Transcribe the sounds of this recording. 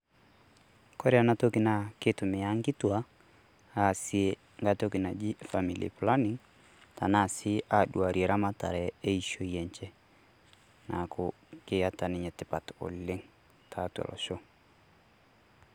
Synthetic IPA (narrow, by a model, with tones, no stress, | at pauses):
kɔ˦ɾja˨na˦to˦ki˨na˨kɪ˦tʊ˨mɪ˨a˦ŋ˦kɪ˦twa˦ | a˨si˦e | ŋɡa˦toki˨na˨d͡ʒi˦fa˨mḭ˨lḭ˨pla˦ni˦ŋ | ta˨na˦˨sɪ˦ʔaɗu˨a˨ɾie˨ɾa˦ma˦ta˨ɾɛ˨e˦iʃo˦jɛ˨ɲt͡ʃɛ˦ | na̰˨kʰʊ | kɪ˦a˨ta˨nɪ˨ɲɛ˨tɪ˦pa˨tɔ̰˨lɪ˦ŋ | tʰa˨twa̰˨lɔ̰˨ʃo˦